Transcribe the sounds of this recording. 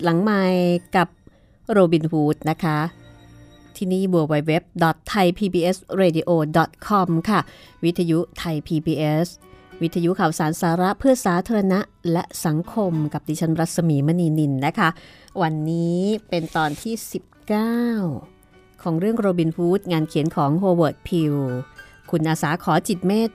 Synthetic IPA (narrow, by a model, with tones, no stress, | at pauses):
la˩˦ŋmaː˧jka˨˩p̚ | ɾoː˧bi˧nfuː˦˥t̪̚na˦˥kʰa˦˥ | t̪ʰiː˥˩niː˥˩bu˧əwa˧jwe˦˥p̚dɔ˨˩t̪ʰːa˧jpʰiː˧biː˧ʔe˦˥sɾeː˧diː˧ʔoː˧dɔ˨˩t̪̚kʰɔ˧mkʰa˥˩wi˦˥t̪ʰːaː˧ju˦˥t̪ʰa˧jpʰiː˧biː˧ʔe˦˥swi˦˥t̪ʰːa˧ju˦˥kʰaː˨˩wsaː˩˦nsaː˩˦ɾa˦˥pʰɯ˥˩ɐsaː˩˦t̪ʰaː˧ɾa˧na˦˥ʔlɛ˦˥ʔsa˩˦ŋkʰo˧mka˨˩p̚diː˧t͡ɕʰa˦˥nɾa˦˥t̪̚sa˧miː˨˩˦ma˦˥niː˧ni˧nːa˦˥kʰa˦˥ʔ | wa˧nːiː˦˥pe˧nt̪ɔː˧nt̪ʰiː˥˩si˨˩p̚kaː˥˩w | kʰɔː˩˦ŋɾɯ˥˩əŋɾoː˧bi˧nfʰuː˦˥t̪̚ŋaː˧nkʰi˨˩˦ənkʰɔː˩˦ŋɾoː˧wɤː˨˩t̪̚pʰi˧wkʰu˧nʔaː˧saː˩˦kʰɔː˩˦t͡ɕi˨˩t̪̚meː˥˩t̪̚